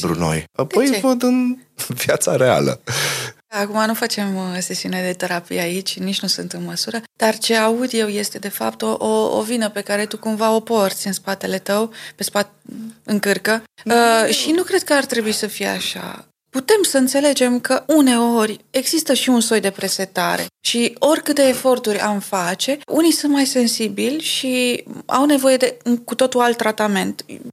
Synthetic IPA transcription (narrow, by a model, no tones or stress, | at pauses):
bɾṵno̰japo̞jvəd̪ɨnvjat̪saɾe̞a̰lə̰ | akumanufat͡ʃe̞mse̞siuned̪e̞t̪e̞ɾapḭjait͡ʃʲnit͡ʃnusunt̪ɨnməsuɾəd̪̥art͡ʃe̞aud̪je̞wje̞st̪e̞d̪e̞fa̰pt̪oʔoo̰vinəpe̞kaɾe̞t̪ukumvao̞po̞rt̪sʲɨnspat̪e̞le̞t̪əwpe̞spat̪̚ɨŋkɨrkə | ʃinukɾe̞d̪̚kəart̪ɾe̞buisəfijea̰ʃa̰ | put̪e̞msəɨnt̪se̞le̞d͡ʒe̞mkəʔune̞o̞rʲe̞ɡz̥ist̪əʃiunso̞jd̪e̞pɾeset̪a̰ɾe̞̰ʃio̞rʲkɨt̪e̞ːfo̞rt̪urʲamfat͡ʃe̞ʔunisunt̪̚majse̞nsibilʲʃia̰wne̞vo̞je̞d̪e̞kut̪o̞t̪ualt̪ːɾat̪ame̞nt̪